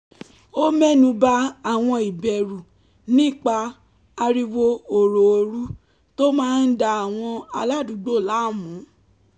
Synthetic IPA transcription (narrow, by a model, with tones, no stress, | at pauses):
o˦mɛ˦˨nũ˧ba˦a˨w̃ɔ̃˧i˨bɛ˨ɾu˨ | nĩ˦˨k͡pa˧ | a˧ɾi˧wo˧o˨ɾo˨o˧ɾu˦ | to˦mãː˦˧n̩˦da˧a˨w̃ɔ̃˧a˧la˦˨du˨˦ɡ͡bo˦˨la˨˦˨mũ˨˦